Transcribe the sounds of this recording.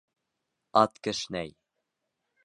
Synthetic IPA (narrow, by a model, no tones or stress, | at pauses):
ɑt̪kɘ̆ʃnæj